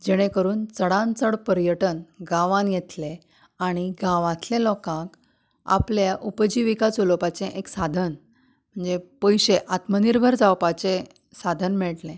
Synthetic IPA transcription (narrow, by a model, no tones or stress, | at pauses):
d͡ʑɛɽ̃ẽkəɾuːnt͡səɽãnt͡səɽpəɾjəʈənɡãʋãnjɛt̪lẽ | aɽ̃iɡãʋãt̪ʰlẽlɔkãk | a̰pljaʔupd͡ʑiʋikat͡solopat͡sẽʔeksad̪ʱən | m̤əɳd͡zepəjɕeʔat̪məniɾbʱəɾd͡zawpat͡ɕẽ | sad̪ʱənmɛɭʈlẽ